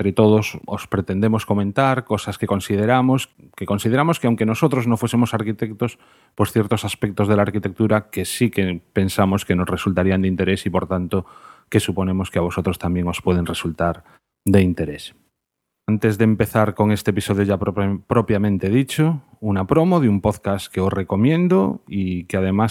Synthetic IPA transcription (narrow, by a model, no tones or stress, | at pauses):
t̪ɾet̪oð̞oso̰spɾe̞t̪e̞nd̪e̞mo̞sko̞mẽnt̪aɾko̞saskekõ̞nsið̞eɾamos | keko̞nsið̞eɾamo̞skeawŋke̞no̞sot̪ɾoznofwe̞semo̞saɾkit̪ek̚t̪os | po̞sθjeɾt̪o̞saspek̚t̪o̞zð̞e̞laːɾkit̪e̞k̚t̪uɾakesikepe̞nsamoske̞no̞sresult̪aɾiand̪eint̪e̞ɾe̞sipo̞ɾt̪ant̪oke̞supo̞nẽ̞mo̞skeaβ̞o̞so̞t̪ɾo̞st̪ambje̞ŋo̞spwe̞ð̞e̞nresult̪aɾ | d̪eint̪e̞ɾe̞s | ant̪e̞zðeːmpe̞θaɾko̞ŋe̞st̪episo̞ð̞joʝapɾo̞pjamẽnt̪e̞ð̞it͡ʃo | unapɾo̞mo̞ð̞umpo̞ðkaske̞o̞sre̞ko̞mjẽ̞nd̪o̰ikeað̞e̞mas